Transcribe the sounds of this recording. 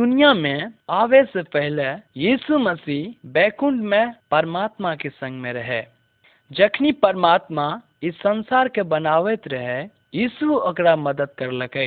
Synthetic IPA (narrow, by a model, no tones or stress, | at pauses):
d̪ʊnijamẽaːʋesepɛɦɪlejiːsuməsiːbɛːkʊɳɖmẽpɐɾmaːt̪makesɐ̃ŋɡmẽɾɐɦe | d͡ʒɐkʰnipəɾmaːt̪ma | ɪsːɐnsaːɾkebɐnaːʋet̪ɾəɦe | jiːsuɐkɾamɐd̪əd̪̚kɐɾlɐkə